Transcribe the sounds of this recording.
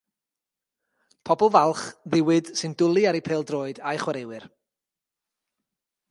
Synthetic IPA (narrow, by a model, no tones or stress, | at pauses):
pʰɔbɔlˠvalˠχðɪwɨd̥sɨndʊlˠiaɾipʰeːlˠdroːɨdajχwaɾewɨr